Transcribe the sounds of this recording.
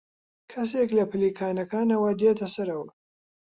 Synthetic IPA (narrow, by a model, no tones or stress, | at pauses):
kʰɐseklɐpɨliːkʰaːnɐkaːnɐwɐd̪et̪ʰɐsɐɾɐwɐ